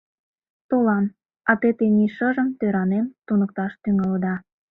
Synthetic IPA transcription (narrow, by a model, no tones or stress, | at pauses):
t̪olɑm | ɑt̪et̪eniʃəʒəmt̪øɾɑnemt̪unək̚t̪ɑʃt̪yŋɑləd̪ɑ